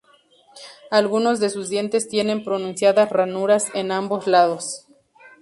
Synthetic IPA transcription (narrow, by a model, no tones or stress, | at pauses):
alɣuno̞zðe̞suzd̪je̞nt̪e̞st̪je̞nẽ̞mpɾo̞nũnsjaðasranuɾase̞nambo̞slað̞o̞s